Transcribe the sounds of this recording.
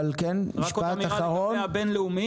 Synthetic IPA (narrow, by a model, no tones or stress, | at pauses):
alkenmiʃaaχaʁonbenleumi